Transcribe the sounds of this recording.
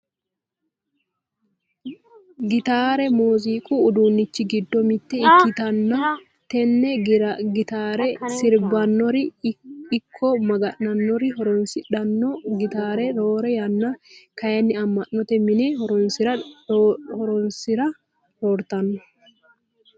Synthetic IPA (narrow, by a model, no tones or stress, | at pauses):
ɡɪt̪aːɾɛmoːziːkʼuːd̪uːnːɪt͡ʃːɪɡɪd̪ːɔmɪt̪ːɛɪk̪ːɪt̪ɐnːɐ | t̪ɛnːɛɡɪt̪aːɾɛsɪɾbɐnːɔɾɪɪkʰːɔmɐɡɐʔnɐnːɔɾɪɔɾɔnsɪᶑɐnːɔɡɪt̪aːɾɛɾoːɾɛjɐnːɐkɐjɐnːɪɐmːɐʔːɔt̪ɛmɪnehɔɾɔnɪɾɐ | hɔɾɔnsɪɾɐ | ɾɔɾt̪ɐnːɔ